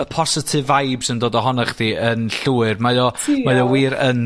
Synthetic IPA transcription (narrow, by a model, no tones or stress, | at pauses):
əpʰɔsɪtʰɪvajbsəndoːdɔɦɔnaχdiːənɬuːɨrmajɔmajɔwiːɾən